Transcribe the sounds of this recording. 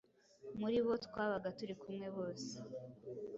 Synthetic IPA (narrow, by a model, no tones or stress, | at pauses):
muɾiβo̞twaːβaɡatuɾikumŋe̞βo̞ːse̥